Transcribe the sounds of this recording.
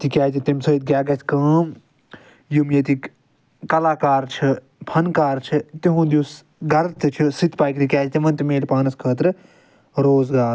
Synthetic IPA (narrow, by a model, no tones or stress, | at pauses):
t̪ikʲaːd͡ʒit̪imsɐit̪̚ɡʲaːɡɐtʰkɐ̃ːm | jumjɐt̪ik | kɐlaːkaːɾt͡ʃʰɨ | pʰɐnkaːɾt͡ʃʰit̪iɦũːd̪us | ɡɐɾt̪ɨt͡ʃʰisit̪paːjkɾikʲaːt͡ʃit̪imɐnt̪imeːlpaːnɐskʰəːt̪ɾɨ | ɾoːzɡaːɾ